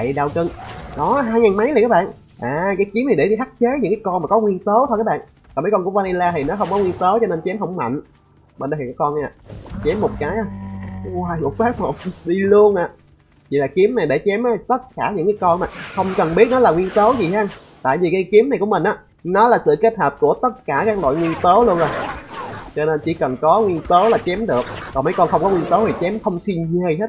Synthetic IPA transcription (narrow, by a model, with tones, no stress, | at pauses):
ɗa˨˩wt̪ɨ˧ŋɗɔ˨˦ɦaː˧jŋaː˨˩nma˨˦jla˨˩kaː˨˦˥ɓa̰ː˧˨n | ʔaː˨˩kaː˨˦jki˨˦mna˨˩jɗe˧˩i˧haː˦˥k̚t͡ɕe˨˦ɲɨ̰˧˥ŋkaː˨˦jkɔ˧nmaː˨˩kɔ˨˦ŋwi˧ənso˨˦t̪ʰo˧k̚ːɓ̰ːn | aː˨˩mə˨˦jkɔ˧nku˧˩əvaː˧ni˧laː˧t̪ʰi˨˩nɔ˨˦xə˧wŋ͡mkɔ˨˦ŋwi˧ənso˨˦t͡ɕɔ˧ne˧nt͡ɕɛ˨˦mɦə˧wŋ͡mma̰˧˨ŋ̟ | ɓḛ˧˨nɗə˧˨˩ka˨˦kɔ˧nʔaː˨˩t͡ɕɛ˨˦mːo˨˩t̚kaː˨˦jʔaː˨˧˩aː˧˩jlu˨˩faː˦˥k̚mo˨˩t̚ɗi˧lu˧ənʔaː˨˩ | t͡ɕḭ˧˨laː˨˩ki˨˦əmna˨˩jɗe˧˩t͡ɕɛ˨˦mʔːt̪ə˦˥t̚kaː˧˩ɲɨ̰˧˥ŋkaː˨˦kɔ˧nmaː˨˩xə˧wŋ͡mkə˨˩nɓi˦˥t̚nɔ˨˦laː˨˩ŋwi˧ənt̪əː˨˦wzi˨˩ha˧n | t̪a̰ː˧˨jvi˨˩ka˨˦jki˨˦mna˨˩jku˧˩əmï˨˩n̟ʔaː˨˦ | nɔ˨˦laː˨˩sɨ̰˧˨ke˦˥t̚həː˨˩p̚ku˧˩ət̪ə˦˥t̚kaː˧˩kaː˦˥k̚lwa̰ː˧˨jŋwi˧ənt̪əː˨˦lu˧ənzo˨˩j | t͡ɕɔ˧ne˧nt͡ɕḭ˧˥kə˨˩nkɔ˨˦ŋwi˧ənt̪əː˨˦laː˨˩t͡ɕɛ˨˦mɗɨ˨˩ək̚kɔː˨˩mə˨˦jkɔ˧nxə˧wŋ͡mkɔ˨˦ŋwi˧ənt̪ə˨˦wt̪i˨˩t͡ɕɛ˨˦mxə˧wŋ͡msi˧nɲe˧˩jhe˦˥t̚